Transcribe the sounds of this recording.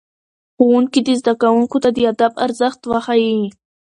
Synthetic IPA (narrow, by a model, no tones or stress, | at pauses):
xowuŋkid̪izd̪akawuŋkot̪ad̪əad̪aba̰ɾzaxt̪waxaji